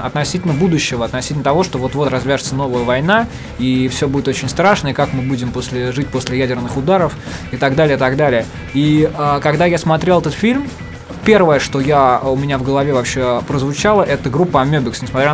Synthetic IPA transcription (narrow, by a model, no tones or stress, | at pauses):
ɐ̰t̪nɐsʲitʲɪlʲnəbud̪ʊɕːɪvəɐt̪nɐsʲit̪ʲlʲnət̪ɐvo̞ʂt̪ovo̞t̪vo̞t̪rɐzvʲæʐɨt̪səno̞vəjəvɐjna | ifsʲɵbudʲɪt̪ot͡ɕɪnʲst̪ɾaʂnəɪkakmɨbudʲɪmpo̞sʲlʲɪʐɨt̚ʲposʲlʲɪjædʲɪrnɨxʊd̪aɾəf | ɪt̪aɡd̪alʲɪjəɪt̪ɐɡd̪alʲɪjə | iəkɐɡd̪ajasmɐt̪ɾʲelˠɛt̪ət̪fʲilʲm | pʲe̞rvəjəʂt̪o̞jaʊmʲɪnʲavɡəlˠɐvʲevɐpɕːepɾəzvʊt͡ɕalˠəʔɛt̪əɡɾupːəɐmʲɵbʲɪksnʲɪsmɐt̪ɾʲa